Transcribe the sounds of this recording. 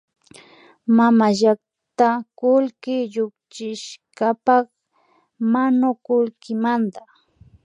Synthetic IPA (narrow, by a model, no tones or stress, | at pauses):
mamaʒak | t̪akʊlkɪʎʊkt͡ʃɪʃkapɑχ | manʊkʊlkɪmand̪a